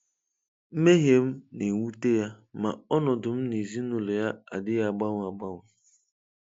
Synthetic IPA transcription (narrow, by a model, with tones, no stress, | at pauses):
m̩˦me˦ɦje˦m̩˦nɪ˨wu˦te˦ja˦ | ma˨ɔ˦nɔ˨dʊ˨m̩˦ni˨zi˦nu˨le˨ja˦a̰˨dɪ˦ja˦˨ɡ͡ba˦ŋ˨a˨ɡ͡ba˦ŋʊ˦˨